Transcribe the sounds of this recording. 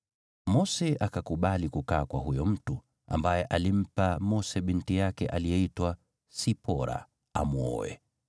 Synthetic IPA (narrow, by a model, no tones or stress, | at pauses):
mɔsɛakakuɓalikukaːkwaɦujɔm̩tu | a̰mbajɛʔalim̩pamɔsɛɓintijakɛʔalijɛitwa | sipɔɾa̰ | a̰mwɔ̰wɛ̰